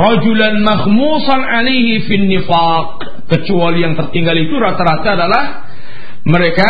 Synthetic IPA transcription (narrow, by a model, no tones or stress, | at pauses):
rɑd͡ʒulanmaxmusanʕalejɦifinːifa | q̚ː | ət͡ʃualijaŋt̪ərt̪iŋɡalit̪uɾat̪aɾat̪aːdalah | məɾeka